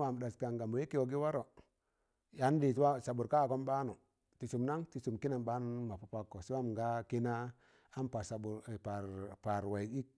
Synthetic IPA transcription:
wa˨m˨da˨ska˨ŋɡa˨mu˨e˦ki˦wo˨ɡi˦wa˦ɾo˨ | ja˨˦n˦di˨˦wa˦sa˨bu˨ɾka˦˨ko˦mba˦nu˨ | ti˨su˨mna˦ŋti˨su˨mki˦na˨mba˦nu˦ma˨pu˨pa˦kːo˨si˦wa˦m˨ɡa˦ki˦na˦ | a˦npa˨sa˨bu˨ɾpa˨ɾpa˨ɾwa˨i˨i˦k̚

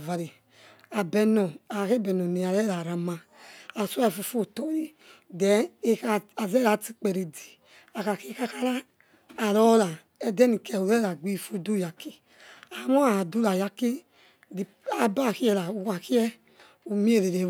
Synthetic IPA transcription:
va˨ɾi˨ | a˨bɛ˧nɔ˨a˨a˨ke˦bɛ˨nɔ˨ni˨a˨ɾɛ˦la˨ɾa˨ma˨ | a˨su˦a˦˨fu˨fo˦˨tɔ˨ji˦ | dɛ˨˦e˦ka˨a˨zɛ˦la˨ti˦k͡pɛ˨ɾi˨di̥˨ | a˨ka˨ke˦ka˦ka˦laː˦˨ | lɔ˦la˨ | ɛ˦dɛ˦ni˨kɛ˨u˨ɾɛ˦la˨ɡ͡bi˦˨fu˦du˦ja˨ki˦ | a˨mɔ˦a˨a˨du˦la˨ja˦ke˦ | di˨a˨ba˦˨ki˦ɛ˦˨la˨u˨ka˨ki˦ɛ˦ | u˨mi˦e˦˨ɾe˨ɾe˨˦

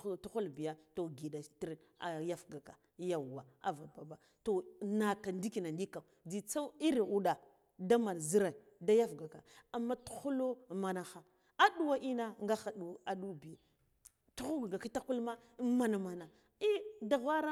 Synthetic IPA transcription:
tu˦xu˦lbi˨ja˦to˨ɡi˨da˨ti˦ɾ | a˨ja˦fɡa˨ka˨ | ja˨wa˨a̰˨va˨ba˨ba˨ | to˨na˨ka˨ndi˦ki˨na˨ndi˦ka˨di˨t͡sa˦wi˦ɾi˨u˦ɗa˨ | da˦ma˨n˨zi˦ɾa˨i˨ | da˦ja˦fɡa˨ka˨a˨mːa˦tu̥˦˨xu˦lo˦ma˨na˨xa˦ | a˦ɗu˦wa˦ʔi˦na˦ŋɡa˦xa˨ɗu˨a˨ɗu˦bi˨j | tu˦xu˦ɡɡa˨ki˦ta˦ku˦lma˦ma˨na˨ma˨na˨ | i˦da˨ɣʷa˦ɾa˦

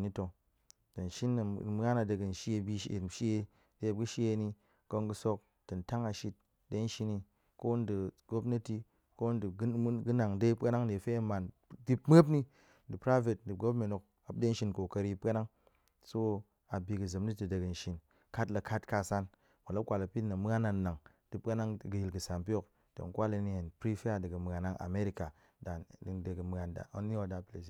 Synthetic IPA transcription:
ni˦to˨ | tɐ˨n̩˨ʃi˦n˨m˦a˦na˧de˧ɡɨ˨n̩˨ʃi˦e˧bʲi˦ʃḛ˨ʃi˦e˧ | de˨˦˨ɡɨ˦ʃi˦je˧˦ni˧ | ko˧ŋɡu˧so˧k̚ | tɐ˨n̩˨ta˦ŋa˨ʃi˦t̚ | de˦ʃi˧ni˧ | ko˦n˦di˨ɡo˦pne˦ti˦ | ko˦n˦di˨˦ɡɨ˦na˨ŋde˦i˦pa˦na˦ŋ˦e˨fe˦˨ma˨ndi˦pm˦e˦p̬ni˦ | di˨pɾa˦ve˨tn˨di˨ɡo˦me˨no˨k̚ | a˨p̚de˦n̩˦ʃi˧˦nko˨kɐ˧ɾi˦pa˦na˦ŋ | so˦ | a˨bʲi˨ɡɨ˨zɨ˨mni˦ti˨de˨ɡɨ˨n̩˨ʃi˨n | ka˦tla˨kʰa˦tka˧˨sa˦n | mo˨la˦kʷa˨lɐ˨pi˦na˨m˦a˦na˨na˨ŋ | dɨ˦pa˦na˦ŋ˨ɡɨ˨ji˨lɡɨ˨sa˨npi˦o˦k | to̰˨ŋ˦kʷa˦li˧ni˦˨he˨npɾi˦fe˦a˦di˨ɡɨ˨m˨ɣa˨na˦ŋʔa̰˨me˦ɾi˦ka˨ | da˨di˨nde˨ɡɨ˨m˨a˨nda̰˨o˦n˦o˨da˦ple˨s̬i˨

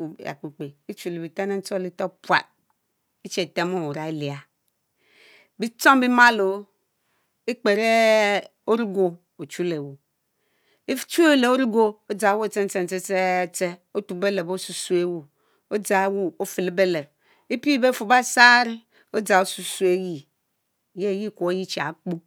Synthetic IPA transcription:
ja̰˨k͡pu˨k͡pe˨i˦t͡ʃu˨le˨bi˨ta˦ne˦n̩˦t͡ʃo˦˨li˦to˦pwa̰˨t̚ | i˦t͡ʃe˨te˦mo˦˨wu˨ɾa˨e˦li˨a˨ | bi˦t͡ʃo˦m˦bi˦ma˦lo˨ | i˦k͡pe˨ɾe˦ | o˦ɾi˦ɡo˨ | o˨t͡ʃu˦le˨wu˨ | e˦t͡ʃu˦le˨o˦ɾi˦ɡo˦o˦d͡za˨˦wo˦˨t͡se˦n̩˦t͡se˦n̩˨te˦e˦˨t͡se˦o˦tu˨be˦le˨bo˦su˨su˦e˦wu˨ | o˦d͡za˨˦wu˦o˦fi˨le˨˦be˦le˨b̚ | e˦pi˦be˦fu˨ba˦sa˦ɾi˦ | o˦d͡za˨o˦su˦˨su˦e˦ji˦˨ | je˦˨ji˦˨ko˨o˦ji˦t͡ʃa̰˨˦k͡pu˦

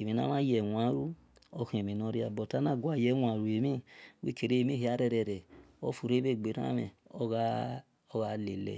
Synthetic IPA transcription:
e˨mĩ˨na̰˦mã˦jɛ˨wa˨˦ɾu˦ | o˧kĩ˦˨e˨mĩ˨no˧˦ɾi˦a˨bɔ˨ta˦nã˦˨ɡwa˨jɛ˨˦wʷa˨ɾu˨e˨mĩ˦wḛ˦ke˨ɾe˦˨mĩ˦hi˨˦a˨˦ɾɛ˧ɾɛ˨ɾɛ˨o˦fu˨ɾe˦be˦˨ɡ͡be˨ɾã̰˦mɛ̰˨o˦ɣa˦ | ɔ˦ɣa˧le˨lɛ̰˨

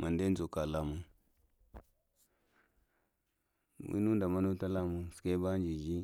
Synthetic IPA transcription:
ma˨nde˦zo˨ka˨la˦mu˦ | mḭ˦nu˦n˦da˨ma˦nu˦ta˦la˦mu˨ske˦ba˦n˦d͡ʒi˨d͡ʒi˦

